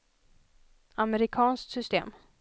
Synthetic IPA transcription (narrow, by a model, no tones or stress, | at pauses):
amɛɾɪkʰɑːnsksʏst̪ḛːm